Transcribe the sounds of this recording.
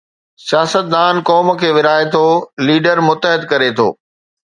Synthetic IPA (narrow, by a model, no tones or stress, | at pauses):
sijaːsət̪̚d̪aːnkɔːmkʰeːʋɪɾaːɪt̪ʰoliːɖəɾmʊt̪ːəɦɪd̪kɐɾet̪ʰo̰ː